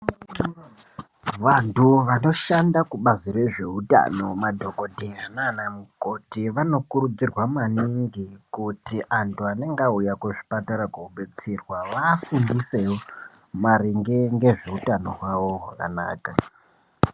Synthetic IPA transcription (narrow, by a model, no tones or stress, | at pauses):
ʋantuʋano̞ʃandakuɓaziɾe̞ʐe̞uta̰no̞madʱo̞ko̞dʱeananamukotiʋano̞kuɾud͡zirwamaniŋɡikutiʔantuane̞ŋɡaujakuʐi̥pataɾakouɓet͡sirwaʋafundisewo | maɾiŋɡeŋɡe̞ʐe̞utano̞ɦwawo̞ɦaka̰na̰ːka